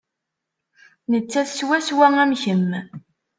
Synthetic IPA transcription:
nət͡sːæθswæswæŋæmçəm

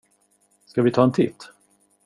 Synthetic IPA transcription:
skavɪt̪ʰɑːɛnt̪ʰɪt̪ː

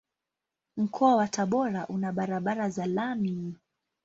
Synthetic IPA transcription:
m̩kʰɔawataɓɔɾaʔunaɓaɾaɓaɾazalami

